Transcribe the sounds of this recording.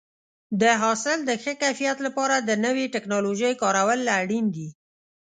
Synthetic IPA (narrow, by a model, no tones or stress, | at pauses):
d̪əɦɑsɪld̪əxəkajfijat̪lapɑɾad̪ənəweʈɪknɑloʒəjkɑɾawəlːaɽind̪i